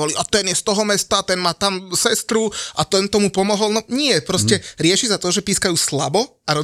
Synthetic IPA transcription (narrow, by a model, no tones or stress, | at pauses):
ɔliʔat̪ɛnjɛst̪ɔɦɔmɛst̪at̪ɛnmaːt̪amsɛst̪ɾuʔat̪ɛnt̪ɔmupɔmɔɦɔlnɔɲɪɛpɾɔscɛɾɪɛʃizat̪ɔʒɛpiːskajuːslabɔ | aɾɔ